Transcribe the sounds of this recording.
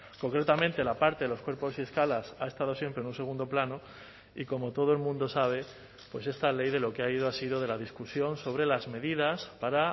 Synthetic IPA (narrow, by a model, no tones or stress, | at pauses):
ko̞ŋkɾe̞t̪amẽnt̪e̞lapaɾt̪eðeloskwe̞ɾpo̞sie̞skalasa̰e̞st̪að̞o̞sje̞mpɾenũnse̞ɣ̞ũnd̪o̞plano | iko̞mo̞t̪o̞ð̞oe̞lmũnd̪o̞saβ̞e̞ | pwe̞se̞st̪ale̞jðe̞lo̞keaiðoasiðo̞ðe̞laðiskusjo̞nso̞β̞ɾe̞lazme̞ðiðaspaɾa